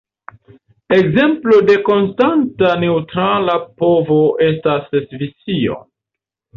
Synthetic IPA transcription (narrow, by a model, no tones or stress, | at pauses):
e̞kze̞mplo̞de̞ko̞nstantane̞utɾalapo̞voʔe̞s̬tasesvisio̞̰